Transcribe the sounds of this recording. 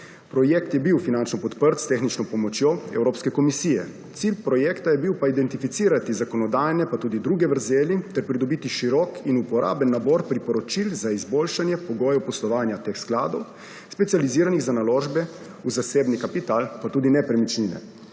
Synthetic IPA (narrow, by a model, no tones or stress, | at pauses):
pɾɔjekt̪jɛbiwfinant͡ʃnɔpɔt̪pəɾt̪st̪exnit͡ʃnɔpɔmɔt͡ʃjoɛ̰wɾoːpskɛkɔmisiːjɛ̰ | t̪silpɾɔjɛːkt̪ajɛbiwpaid̪ɛnt̪ifit̪siːɾat̪izakɔnɔd̪aːjnɛpat̪uːd̪id̪ɾuːɡɛʋəɾzeːlit̪ɛɾpɾid̪ɔbiːt̪iʃiɾɔkinupɔɾʔa̰ːbənːabɔːɾpɾipɔɾɔt͡ʃilzaizboːlʃanjɛpɔɡɔːjɛpɔslɔʋaːnjat̪exsklaːd̪ɔw | spɛt̪sijaliziːɾaniɣzanalɔːʒbɛ | uzaseːbnikapit̪aːlpat̪uːd̪inɛpɾɛmit͡ʃlinɛ̰